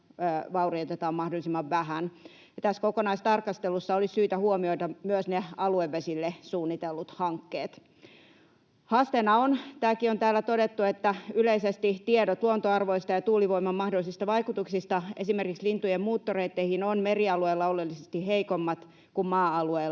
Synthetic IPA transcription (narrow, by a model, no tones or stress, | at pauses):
ʋɑuriot̪et̪ɑːmmɑhdolisimːɑʋʋæhæn | ɑt̪æskokonɑist̪ɑrkɑst̪elusːɑolissyːt̪æhuomioit̪ɑmyøsneɑlueʋːesilːesuːnːit̪elːut̪hɑŋkːeːt̪ | hɑst̪enɑont̪æːkiont̪æːlːˑæt̪odet̪ːuet̪ːæyleisest̪it̪iedot̪luont̪oɑrʋoist̪ɑjɑt̪uːliʋoimɑmmɑhdolːˑisist̪ɑʋɑikut̪uksist̪ɑʔesimerkikslint̪ujemmuːt̪ːoreit̪ːehinonmeriɑlueilːɑolelːisest̪iheikomːɑt̪ | kummɑːɑlueːl